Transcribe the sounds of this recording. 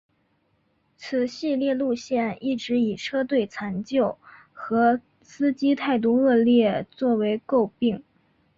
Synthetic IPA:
t͡sʰɹ̩˨˩ɕi˥˧ljɛ˥˧lu˥˧ɕjɛ˥˧ni˥˩ʈ͡ʂɻ̩˧˥i˨˩ʈ͡ʂʰɤ˥t̪̬we˥˩ɪt͡sʰa˧˥nt͡ɕjo˥˩ʊ | xɤ˧˥ | sɹ̩˥t͡ɕi˥t̪ʰa˥˧ɪt̪̬u˥˧ɤ˥˧ljɛ˥˧˩t͡swɔ˥˩we˧˥ɪko˥˧ʊpi˥˩ŋ

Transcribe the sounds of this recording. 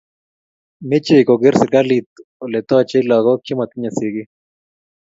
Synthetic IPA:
mi˦t͡ʃe˦˨i˨ko˨ɡi˦ɾsi˨ka˦li˨t̪o˨le˨t̪o˦a˧t͡ʃe˦i˦la˨ɣo˦ki˦ma˨t̪i˦ɲa˨si˨ɡi˦

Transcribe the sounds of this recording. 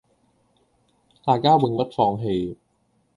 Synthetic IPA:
t̪aː˨˧jkaː˥we˧ŋwɐ˥t̚fɔː˧ŋɦe˨˧j

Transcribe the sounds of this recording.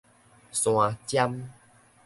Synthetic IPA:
sw̃ã˨˧t͡ɕja˦m

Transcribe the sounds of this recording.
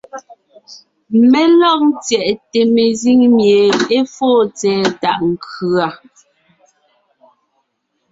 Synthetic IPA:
me˦lɔ˦k̚n˦tjɛ˨ʔte˨me˨zi˦ŋmje˨e˦foː˦˨t͡sɛː˨ta˦˨ʔŋ̩˨kʰʉ˨a˨

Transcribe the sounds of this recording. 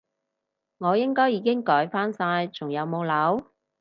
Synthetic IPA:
ŋɔː˨˧jɪ˥ŋkɔː˥jːiː˨˧kɪ˥ŋkɔː˨˥jfaː˥nsaː˧jt͡sʰʊ˨˩ŋjɐ˨˧wmo˨˧wlɐ˨˥w

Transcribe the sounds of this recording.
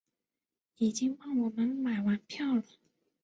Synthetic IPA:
i˨˩t͡ɕi˥ŋwɑ˥˩ŋwɔ˨˩mə˧˦nma˨˩ɪwa˧˥npʰjɑ˥˩ʊlə˨˩

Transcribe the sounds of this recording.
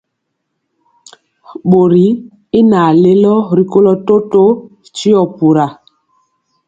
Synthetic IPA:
ɓo˨ɾi˨˦ | i˦na˨le˦lɔ˦ɾi˨ko˦lɔ˦to˦to˦˨ | t͡ʃi˦ɔ˨pu˨ɾa˨

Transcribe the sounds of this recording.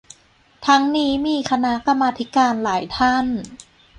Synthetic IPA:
t̪ʰa˦˥ŋniː˦˥miː˧kʰa˧na˦˥ʔka˧mːaː˧t̪ʰi˦˥kaː˧nlaː˩˦jt̪ʰa˥˩n

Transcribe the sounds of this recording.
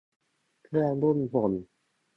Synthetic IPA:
kʰɯ˥˩ədu˥˩nbo˨˩n

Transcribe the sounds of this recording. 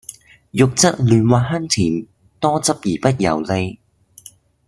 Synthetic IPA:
jʊ˨k̚t͡sɐ˥t̚lyː˨˧nwaː˨˧ɦɐ˥nt͡sʰiː˨˩n | t̪ɔː˥t͡sɐ˥p̚jiː˨˩pɐ˥t̚jɐ̰˨˩wle˧j

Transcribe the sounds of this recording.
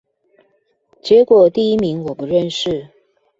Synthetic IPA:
t͡ɕjɛ˧˥kwɔ˨˩t̪i˥˩i˥mi˧˥ŋwɔ˨˩də˦ɻə˥˧nʂɻ̩˥˩

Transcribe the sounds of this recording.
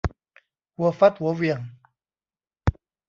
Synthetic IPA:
wɔ˨fa˦twɔ˨˦wja˨ŋ

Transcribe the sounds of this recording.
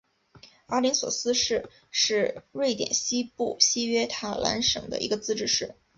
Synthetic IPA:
a˧˥li˧˥nswɔ˨˩sɹ̩˥ʂɻ̩˥˧ | ʂɻ̩˥˧ɻwe˥˩ɪt̪jɛ̰˨˩nɕi˥pu˥˩ɕi˥ɥɛ˥t̪ʰa˥˩lʔa̰˧˥nʂɤ̰˨˩ŋd̪ə̰˦ʔḭ˧˥ɡə˧t͡sɹ̩˥ʈ͡ʂɻ̩˥˧ʂɻ̩˥˩

